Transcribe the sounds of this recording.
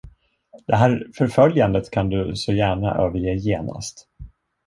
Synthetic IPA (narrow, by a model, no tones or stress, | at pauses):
d̪̥ɛɦæːɾfœɾfœljand̪ət̪kʰand̪ɵsɔjæːɳa̰ʔøːvəɾjeːjeːna̰st̪